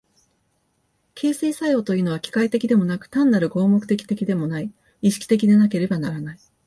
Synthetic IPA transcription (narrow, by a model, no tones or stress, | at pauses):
kʰʲe̞ːse̞ːsajo̞ːt̪o̞jiɯ̟no̞β̞akʲi̥kait̪e̞kʲid̪e̞mo̞nakɯ̟̥t̪ãnːaɾɯ̟ɡo̞ːmo̞kɯ̟̥t̪e̞kʲi̥t̪e̞kʲid̪e̞mo̞nai | iɕi̥kʲi̥t̪ekʲid̪e̞nake̞ɾe̞banaɾanai